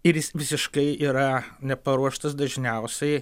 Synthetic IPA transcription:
ɪɾjɪsʋʲɪsʲɪʃkɐɪiːɾɐnʲɛpɐɾuɔʃt̪ɐsd̪ɐʒʲnʲɛʊsʲɛɪ

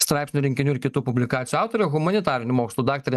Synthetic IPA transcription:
st̪ɾɑˑɪpʲsʲnʲʊɾʲɪŋʲkʲɪnʲuɪɾkʲɪt̪uːpʊbʲlʲɪkɑːt̪ʲjuɑˑʊt̪oɾʲʊɣʊmɐnʲɪt̪ɑːɾʲɪnʲʊmoːkslˠuːd̪ɑːk̚t̪ɐɾʲɛ

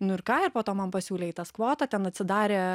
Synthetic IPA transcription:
nʊɪɾkɑːɪɾpoːt̪oːmɐnpɐsʲuːlʲeːit̪ɐskʋoːt̪ɐtʲɛnɐtʲsʲɪd̪ɑːɾʲeː

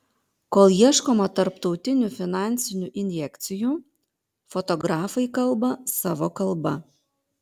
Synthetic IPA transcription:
koːlˠjiɛʃkoːmɐt̪ɐɾpt̪ɒʊt̪ʲɪnʲufʲɪnɑˑnʲsʲɪnʲuːʔɪnʲjɛkʲt̪sʲɪjuː | fɔt̪ɔɡɾɑːfɐɪkɐlˠˑbɐsɑːʋoːkɐlˠˑbɐ̰

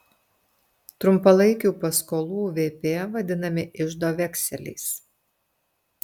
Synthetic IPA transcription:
t̪ɾʊmpɐlˠɐɪkʲuːpɐskoːlˠuːʋʲeːpʲeːʋɐd̪ʲɪnɐmʲɪʔɪʒd̪oːʋʲɛksʲɛlʲɛ̰ɪs

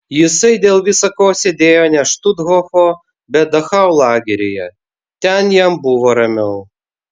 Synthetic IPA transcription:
jɪsɐɪd̪ʲeːlˠʋʲɪsɐkoːsʲɛd̪ʲeːjonʲɛʃt̪ud̪ɦɔxoː | bʲɛd̪ɐxɑwlˠɑːɡʲɛɾʲɪjɛ | t̪ʲɛnjɛmbuʋɔɾɐmʲɛʊ

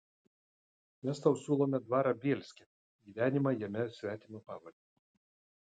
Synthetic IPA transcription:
mʲɛst̪ɐʊsʲuːlˠoːmʲɛd̪ʋɑːɾɑbʲeːlʲsʲkʲɛ | ɡʲiːʋʲæːnʲɪmɑjɛmʲɛsʲʋʲæːt̪ʲimopɑːʋɐlʲd̪ʲi

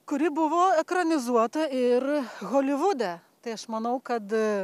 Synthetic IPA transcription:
kʊɾʲɪbʊʋoːɛkɾɐnʲɪzuɔt̪ɐɪrɣoːlʲɪʋʊd̪ʲɛt̪ɐɪɐʃmɐnɐʊkɐt̪

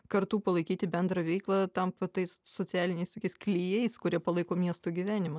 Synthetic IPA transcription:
kɐɾt̪uːpɐlˠɐɪkʲiːt̪ʲɪbʲɛnd̪ɾɐʋʲɛɪklˠɐt̪ɐmpt̪ɐɪssoːt͡s̪ʲæːlʲɪnʲɛɪst̪oːkʲɛɪsklʲiːjɛɪskʊɾʲiɛpɐlˠɐɪkoːmʲiɛst̪oːɡʲiʋʲæːnʲɪmɐ

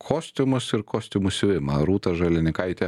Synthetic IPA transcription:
kʰoːsʲt̪ʲʊmʊsɪɾkʰoːsʲt̪ʲʊmusʲʋʲɪmɐɾuːt̪ɐʒɐlʲɪnʲɪkɐɪt̪ʲɛ

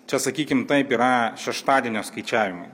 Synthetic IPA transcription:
t͡ʃʲɛsɐkʲiːkʲɪmt̪ɐɪpiːɾɐʃʲɛʃt̪ɑːd̪ʲiɛnʲoːskɐɪt͡ʃʲæːʋʲɪmɐ

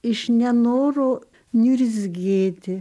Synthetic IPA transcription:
ɪʃnʲɛnoːɾoː | nʲuɾʲɪzʲɡʲeːt̪ʲɪ

